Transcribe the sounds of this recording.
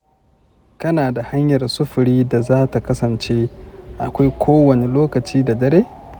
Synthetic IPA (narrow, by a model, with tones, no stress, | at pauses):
kɐ˦naː˨da˨ha˦ɲjɐ˨rsʊ˦ɸʊ˨ɾiː˦da˨zaː˦ta˨kɐ˦sɐ˨nt͡ʃe˦ʔa̰˨kʷa˦jkʷʰoː˦wɐ˨ne˨loː˦kɐ˨t͡ʃiː˦da˨dɐ˦ɾeː˦